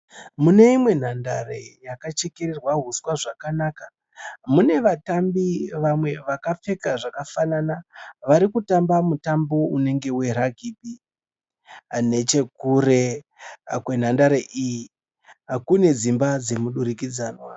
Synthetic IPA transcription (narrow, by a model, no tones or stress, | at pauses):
mune̞imwe̞n̤anda̰rejakat͡ʃe̞ke̞ɾerwaɦuswaʐakanaka | mune̞ʋatambiʋamwe̞ʋakap͡fe̞kaʐakafananaʋaɾikutambamutambo̞une̞ŋɡe̞we̞ɾaɡʱip̚i | ne̞t͡ʃe̞kure̞ | kwen̤andaɾeʔiji | akune̞d͡zimbad͡ze̞muɗuɾikid͡zaːnwa